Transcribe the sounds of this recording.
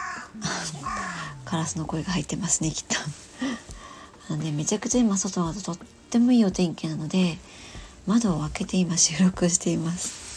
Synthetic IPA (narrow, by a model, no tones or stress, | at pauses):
kʰaɾasɨno̞ko̞eɡahait̪ːe̞masɨne̞kʲi̥t̪ʰːo̥ | nd̪e̞me̞t͡ɕakɯ̟̥t͡ɕaimaso̞t̪o̞mad̪ot̪o̞t̪ːe̞mo̞iːo̞t̪ẽ̞ŋkenano̞d̪e̞ | mad̪o̞ːβake̞t̪e̞imaɕɨːɾo̞kɯoɕi̥t̪e̞imasɨ̥